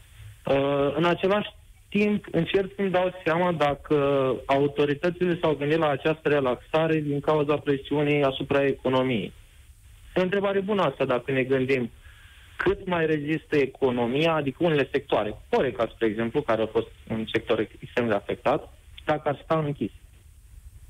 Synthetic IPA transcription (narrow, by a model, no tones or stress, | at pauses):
əɨnat͡ʃe̞laʃʲ | t̪impɨnt͡ʃe̞rt̪imd̪awseamad̪akʰəaut̪o̞ɾit̪ət̪sile̞sawɡɨnd̪it̪laːt͡ʃast̪əɾe̞laksaɾe̞d̪iŋkauzapɾe̞siunijasupɾae̞ko̞no̞mije̞̰j | ont̪ɾe̞baɾe̞bunəast̪ad̪akəne̞ɡɨnd̪im | kʰɨt̪majre̞zist̪əe̞kʰo̞no̞mijaːd̪ikəune̞le̞se̞k̚t̪oaɾe̞oɾekaspɾeeɡze̞mplukaɾeawfo̞st̪unse̞k̚t̪o̞ɾeekst̪ɾe̞md̪eafe̞k̚t̪at̪ | d̪̥akəarst̪awɨŋkʲis